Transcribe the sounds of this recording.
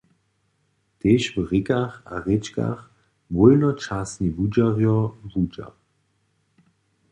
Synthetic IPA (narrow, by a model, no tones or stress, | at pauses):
t̪eːʃvʁɪkaxaʁet͡ʃka̰x | vɔlnɔt͡ʃasnibud͡ʒaʁjɔvud͡ʒa̰